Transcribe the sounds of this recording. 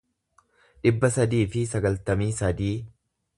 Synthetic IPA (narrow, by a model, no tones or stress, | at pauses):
ᶑɪbːɐsɐd̪iːfɪsɐɡɐlt̪ɐmiːsɐd̪iː